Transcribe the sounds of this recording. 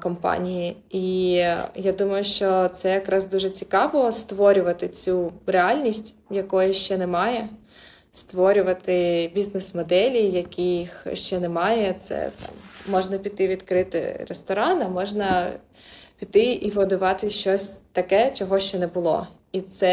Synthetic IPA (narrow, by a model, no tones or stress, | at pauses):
kɔmpɑ̰nʲijii | jad̪umɐjʊʃt͡ʃɔt̪sɛjɐkɾɑzd̪uʒɛt͡sʲikɑʋɔst̪ʋɔɾʲʊʋɐt̪ɪt͡sʲureɑlʲnʲisʲtʲ | jɐkɔjɛʃt͡ʃɛnɛmɑjɛ | st̪ʋɔɾʲʊʋɐt̪ɪbʲiznɛsmɔd̪ɛlʲijɐkʲijixʃt͡ʃɛnɛmɑjɛt̪sɛ̰t̪ɑ̰mːɔʒnɐpʲit̪ːɪʋʲid̪kɾɪt̪ɪ̰ɾest̪ɔɾɑnɐmɔʒnɐ | pʲit̪ːɪiʋɔd̪ʊʋɑt̪ɪʃt͡ʃɔsʲt̪ɐkɛt͡ʃɔɦɔʃt͡ʃɛnɛbʊlˠɔ̰ | it̪sɛ